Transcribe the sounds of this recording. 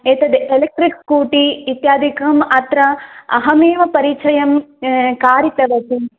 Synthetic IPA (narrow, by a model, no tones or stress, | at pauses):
eːt̪ɐd̪ʔelek̚ʈɾikkuːʈiːt̪jaːd̪ʱikɐmɐt̪ɾɐɐɦɐmeːʋɐpɐɾiːt͡ʃʰɐjɐmkaːɾit̪ɐʋɐt̪i